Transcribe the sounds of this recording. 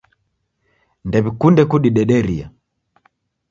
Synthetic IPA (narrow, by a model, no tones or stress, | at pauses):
ndɛβikundɛkuɗiɗɛɗɛɾia̰